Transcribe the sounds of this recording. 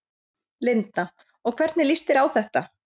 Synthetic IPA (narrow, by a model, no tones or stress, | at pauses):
lɪnt̪na | ɔɣkʰvɛɾt̪nɪlist̪ɪɾawθɛht̪a